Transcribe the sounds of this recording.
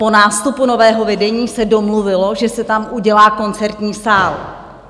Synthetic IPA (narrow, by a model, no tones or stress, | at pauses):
po̞naːst̪upuno̞vɛːɦo̞vɛdɛɲiːsɛdo̞mluvɪlo̞ʒɛsɛt̪amʔuɟɛlaːko̞nt͡sɛɾt̪ɲiːsaːl